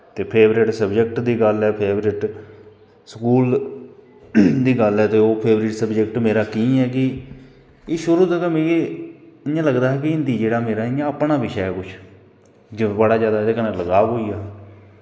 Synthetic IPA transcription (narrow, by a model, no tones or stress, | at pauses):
t̪eːpʰeːbɾɪʈsəbd͡ʒəkʈd̪iːɡəlɛːpʰeːbɾɪʈ | səkuːl | d̪iːɡəlɛːt̪eːoːpʰeːbɾɪʈsəbd͡ʒək̚ʈmeːɾaːkĩːɛːkɪ | eʃʊɾuːt̪ət̪amẽːeɪjãːləɡd̪aːɦɛːk̬ɪɪnd̪iːd͡ʒeːɽaːmeːɾaːɪjãːəpɳaːbɪʃɛɛːkʊt͡ʃʰ | d͡ʒbəɽaːzjaːd̪aːd̪eːkənãləɡaːʋɦoːiːaː